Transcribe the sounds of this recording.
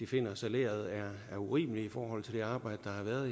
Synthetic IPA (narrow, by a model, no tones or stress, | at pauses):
d̥ife̝n̰ɐsæle̝̰ːɐð̞ˠæɐæɐuʁḭːməliifɒːhɒ̽l̰t͡sʰe̝ld̥e̝ɑ̈ːb̥ɑ̈ɪ̰dəd̥ɑ̈hɑ̈ʋæːɐðˠ